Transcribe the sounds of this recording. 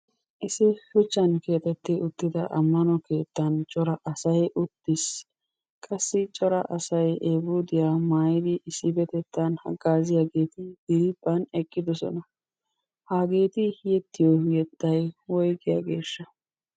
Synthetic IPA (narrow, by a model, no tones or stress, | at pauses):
ʔɪsɪfʊt͡ʃːɐnke̞ːt̪ɛt̪ːɪʊt̪ːɪd̪ɐʔɐmːɐnɔke̞ːt̪ːɐnt͡ʃʼɔɾɐʔɐsɐjʔʊt̪ːɪs | kʼɐsːɪt͡ʃʼɔɾɐʔɐsɐjeːbuːd̪ɪjamaːjd̪ɪʔɪsːɪbɛt̪ɛt̪ːɐnhɐ̰ɡaːzɪjaɡe̞ːt̪ɪɡɪɾɪbːɐnɛkʼːɪd̪ɔsɔ̰nɐ | haːɡe̞ːt̪ɪjɛt̪ːɪjɔjɛt̪ːɐjwɔjɡɪja̰ːɡe̞̰ːʃːɐ